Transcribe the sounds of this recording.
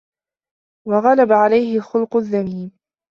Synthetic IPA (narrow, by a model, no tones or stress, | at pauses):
wɑɣɑlabaʕalajhɪxʊlqʊðːamiːm